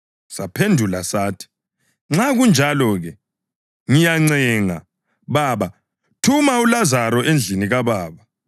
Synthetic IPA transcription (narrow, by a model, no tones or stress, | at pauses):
sapʰendʱulasaːtʰi̥ | ŋ͡ǁaɣund͡ʒʱalɔɣɛ | ŋijaŋ͡ǀɛŋa̰ | βaːβa | tʰumaulazaɾɔʔend͡ɮʱiniɣaβaːβa